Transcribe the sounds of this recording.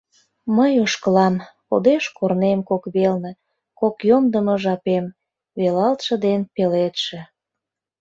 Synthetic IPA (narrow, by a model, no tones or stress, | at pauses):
məjoʃkəlɑmko̰d̪eʃkornemkokβelnə̆ | kokjomd̪əmə̆ʒɑpem | βelɑlt̪ʃə̆d̪enpelet̪ʃĕ